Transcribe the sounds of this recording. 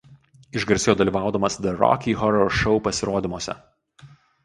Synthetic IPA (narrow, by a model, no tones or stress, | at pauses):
ɪʒɡɐɾʲsʲɪjoːd̪ɐlʲiːˑʋɑˑʊd̪ɐmɐsd̪ʲɛɾɔ̰kʲiːɦɔɾɔɾʃɔʊpɐsʲɪɾoːd̪ʲɪmoɔsʲɛ̰